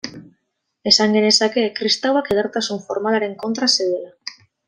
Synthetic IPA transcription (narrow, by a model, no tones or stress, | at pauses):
esaŋɡenesakekɾist̪awakeðaɾt̪asuɱfoɾmalaɾe̞ŋkont̪ɾaseðela